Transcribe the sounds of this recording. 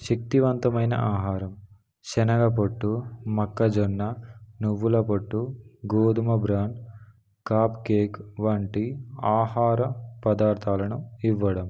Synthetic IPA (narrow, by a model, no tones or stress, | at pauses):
ʃɐk̚t̪iʋɐnt̪ɐmɐjnɐ̰ʔaːɦaːɾɐm | t͡ʃɛnɐɡɐp̬ɐʈːumɐkːɐd͡ʒɔnːɐnuʋːulɐpɐʈːuɡoːd̪umɐbɾaːɳɖ | kaːpkeːkʋɐɳʈiaːɦaːɾɐpɐd̪aːɾt̪ʰaːlɐnuiʋːɐɽɐm